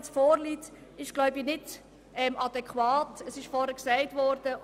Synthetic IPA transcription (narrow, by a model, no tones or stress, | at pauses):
sfɔːɾlit | ɪʃɡ̥lɔʊbinɪd | ɛmʔɑd̥ɛkχwaːtəsɪʃfɔɾəksɛɪtvɔːɾd̥ə